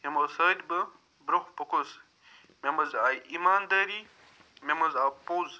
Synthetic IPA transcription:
jɐmɐsɐːd̪ʲbɐ | bɾɐxpɐkos | memɐzaːjimaːnd̪aːɾiː | memɐzaːpoːz

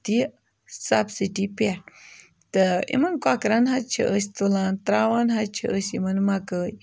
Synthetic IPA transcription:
t̪i | sabsiʈipeʈ | t̪əḭmɐnkwakɾanɦat͡ʃʰḭʔəs̬ʲt̪ulaːnt̪ɾaːwanɦat͡ʃʰiʔəsʲimɐnmakəːj

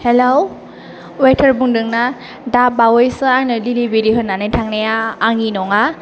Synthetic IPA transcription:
helow | wetʰəɾbuŋdɯŋna | dap̚awɔjsɯajnɯlilibiɾiɦɯnːanɯjtʰaŋnejaːŋinɔŋa

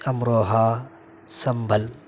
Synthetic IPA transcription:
ɐmɾoːɦa | sɐmbʱɐl

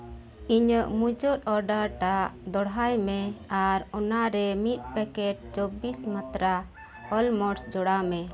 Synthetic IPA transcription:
iɲəʔmud͡ʒɔt̪ɔɾɖəɾʈaʔd̪ɔɽɦajmɛaɾɔnaɾɛmit̪̚pɛkɛʈ̚t͡ʃɔbismat̪ɾa | ɔlmɔɾsd͡ʒɔɽamɛ

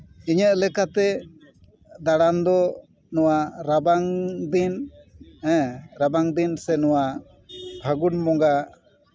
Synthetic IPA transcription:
iɲəʔlɛkat̪ɛ | d̪aɽand̪ɔ | nɔwaɾabaŋd̪in | ɛ̃ɾabaŋd̪insɛnɔwa | bʱaɡunmɔŋɡa

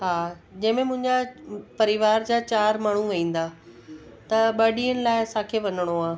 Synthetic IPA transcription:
ɦaː | d͡ʑɐ̃ɦɪ̃mẽmʊ̃ɪ̃ɲd͡ʑapɐɾɪʋaːɾd͡ʑaːt͡ɕaːɾmaːɳ̤ũʋɐĩːn̆d̪aː | t̪ɐɓɐɗiənɪ̆laːɪsãːkʰeːʋɐnəɽ̃oaː

